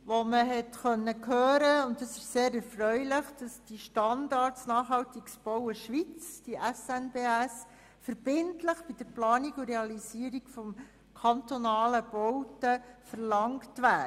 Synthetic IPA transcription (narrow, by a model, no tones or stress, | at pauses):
ʋoməɦɛtxœnːəkʰøːɾəʊntdɑsɪʃseːɾɛɾfɾœɥlɪχd̥ɑsd̥iʃtɑndɑɾtsnɑːχɦhɑwtiksb̥ɔwəʃʋit͡sd̥iʔɛsɛnbeæs | fəɾb̥ɪntləχb̥id̥əɾplɑːnikuɾeɑlisiəɾikfɔm | kʰɑntonɑːləb̥ɔwtəfəɾlɑŋktʋæː